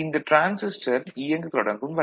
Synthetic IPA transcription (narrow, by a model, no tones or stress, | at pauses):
ɪnd̪ɐʈɾaːnsɪsʈɐɾijɐŋɡɯk̪ɾoɽɐŋɡɯmʋɐ